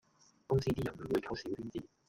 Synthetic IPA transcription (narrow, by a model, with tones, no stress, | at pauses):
kʊ˥ŋsiː˥t̪iː˥jɐ˨˩nm˨˩wu˨˧jkʰɐ˧˥wsi˨˥wt̪yː˥nt͡siː˥˩